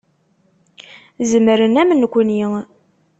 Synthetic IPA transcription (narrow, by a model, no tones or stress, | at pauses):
zəmɾənæmənkʷːni